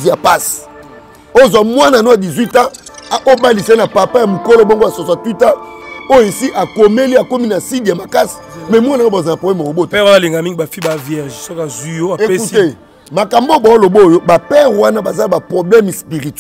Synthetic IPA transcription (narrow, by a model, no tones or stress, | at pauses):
zapasi̥ | ozwamwananoadizwitã | ʔobalisainapapajamukoloboŋɡoasosatutaojoesiʔakomeliakominasidijamakasi̥mɛmwanaobazanapblɛmakobotɛaaliŋɡamiŋɡibafibavjɛʒsokazwijoaeekute | makambobaolobojobapɛʁwanabazabapʁoblɛmspiʁit